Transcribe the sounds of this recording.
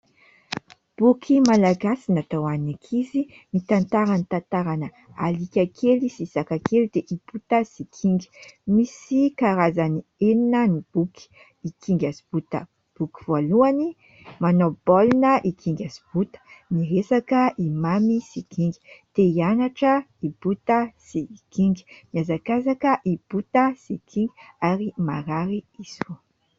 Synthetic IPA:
b̥ukʰimalaɡasinat̪awannakʰizi | mit̪ant̪aɾanit̪ant̪aɾanə | a̰likʲakʰelisisakakelid̪eʔibut̪əsikʰiŋɡi̥misikaɾazanieninənib̥uki̥ | ikiŋɡʲasib̥ut̪ə̰ | b̥uki̥v̥oluani | manobɔlnəʔikʰiŋɡʲasi̥b̥ut̪ə̥niɾesakəʔimamisikiŋɡi̥t̪eianaʈ͡ʂəib̥ut̪əsikiŋɡi̥miazakazakəʔib̥ut̪əsikʰiŋɡiaɾimaɾaɾiisu

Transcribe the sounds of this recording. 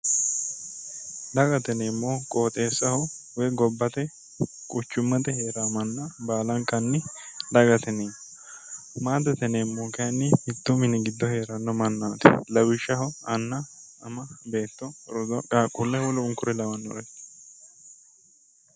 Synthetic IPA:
d̪ɐɡɐt̪ɛnemːo̞ːkʼoːt̪ʼe̞ːsːɐhɔwɛjɡɔbːɐt̪ɛ | kʼʊt͡ʃːʊmːɐt̪ɛhe̞ːɾaːmɐnːabaːlɐŋkɐnːɪd̪ɐɡɐt̪ɛneːn | maːd̪ɐt̪ɛnemːoːkɐɐnːɪhɪt̪ːɔmɪnɪɡɪd̪ːɔhe̞ːɾɐnːɔmɐnːaːt̪ɛ̰lɐwɪʃːɐhɔɐnːɐɐmɐbe̞ːt̪ːɔɾɔd̪ɔkʼaːkʼʊlːɛwɔlɔʊŋkʊɾɛlɐwɐnːɔ̰ɾɛtː

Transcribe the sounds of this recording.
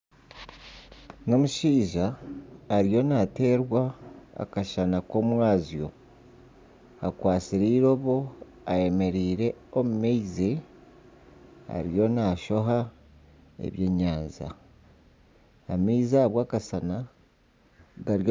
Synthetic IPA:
no̞muʃiːʒaː | ɾijo̞nate̞ːɾwa̰ːkaʃanako̞mwaːzijo̞̰ | akwaːsiɾiːɾo̞ːβo | aje̞me̞ɾiːɾe̞omumeize | a̰ɾijo̞naːʃo̞ɦa | ḛβje̞ːɲaːnza̰ | meizaβwaːkasana | ɡaɾo

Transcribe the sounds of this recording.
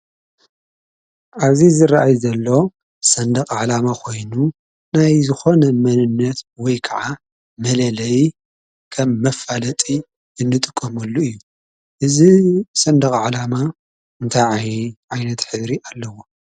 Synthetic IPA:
ʔaβzizɨɾaʔajzɐlːo̞ | sɐnd̪ɐxʼʕalamakʰo̞jnu | najzɨxo̞nɐmɐnɨnːɐt̪wɔjkʰɐʕa | mɐlɐlɐj | kʰɐmːɐfalɐt̪ʼi | ɨnːɨt̪ʼɨkʼːɐmɐlːuɨjːu | ʔɨzisɐnd̪ɐxʼʕalama | ɨnt̪ʰajʕjʕajnɐt̪ħɨβɾiʔalːɐwo

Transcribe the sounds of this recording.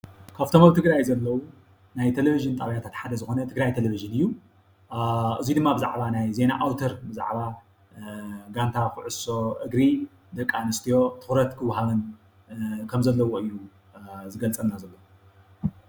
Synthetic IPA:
kʰaβt̪ʰomaβt̪ʰɨɡɾajzɐlːɐwu | najt̪ʰeleviʒɨnt̪ʼaβjat̪ʰat̪ħad̪ɐzɨxo̞nɐt̪ʰɨɡɾajt̪ʰeleviʒɨnɨjːu | ʔɨzid̪ɨmːabɨza̰ʕbanajze̞naʔawt̪ʰɐɾbɨza̰ʕβa | ɡant̪ʰakɨʕɨso̞ʔɨɡɾi | d̪ɐkʼːanɨst̪ʰijo̞t̪ʰɨ̥xɾɐt̪kʰɨwɦaβɐn | kʰɐmzɐlːɐwoɨjːu | zɨɡɐlt͡sʼɐlnazɐlːo

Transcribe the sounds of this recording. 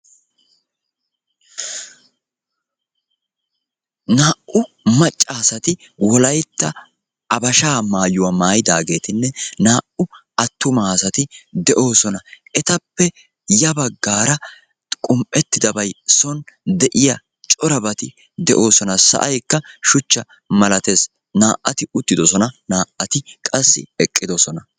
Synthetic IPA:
naːʔʊ | mɐt͡ʃʼːaːsɐt̪ɪ | wɔlɐjt̪ːɐ | ʔɐbɐʃaːmaːjʊwɐmaːjɪd̪aːɡe̞ːt̪ɪnːɛnaːʔʊ | ɐt̪ːʊmaːsɐt̪ɪd̪ɛʔo̞ːsɔnɐɛt̪ɐpːɛ | jɐbɐɡːaːɾɐ | kʼʊmpʼːɛt̪ːɪd̪ɐbɐjsɔnd̪ɛʔɪjɐ | t͡ʃʼɔɾɐbɐt̪ɪ | d̪ɛʔo̞ːsɔnɐsɐ̰ʔɐjkːɐʃʊt͡ʃːɐ | mɐlɐt̪e̞ːs | naːʔːɐt̪ɪʊt̪ːɪd̪ɔsɔnɐnaːʔɐt̪ɪkʼɐsːɪ̰ɛkʼːɪd̪ɔsɔnɐ

